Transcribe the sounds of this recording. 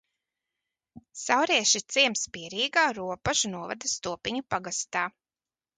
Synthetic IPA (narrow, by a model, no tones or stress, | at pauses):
sawɾiɛʃit̪siɛmspiɛɾiːɡaːɾuɔpaʒunuɔva̰d̪ɐst̪uɔpiɲupaɡast̪aː